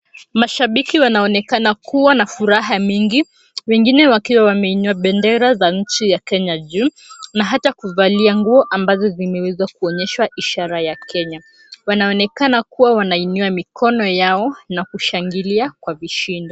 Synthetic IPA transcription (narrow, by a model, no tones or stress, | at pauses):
maʃaɓikiwanaɔnɛkanakuwanafuɾaɦamiŋɡi | wɛŋɡinɛwakiwawamɛinuaɓɛndɛɾazaɲ̩t͡ʃijakɛɲaʄuː | naɦatakuvaliaŋɡuɔʔambazɔzimɛwɛzakuɔɲɛʃwaʔiʃaɾajakɛɲa | wanaɔnɛkanakuwawanainuamikʰɔnɔjaɔnakuʃaŋɡiliakwaviʃindɔ